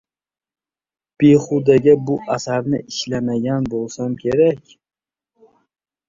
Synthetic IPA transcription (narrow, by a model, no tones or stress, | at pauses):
b̥eχʊd̪aɡʲabʊʔasaɾnɪʔɪʃlamaɡʲanbolˠsamkʲʰe̞ɾakʲ